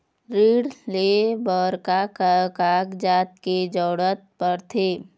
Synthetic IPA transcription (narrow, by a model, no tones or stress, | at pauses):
ɾiːɽlebɔːɾkakəkaːkd͡ʒaːt̪̚ked͡ʒɔːɽət̪̚pəɾt̪ʰeː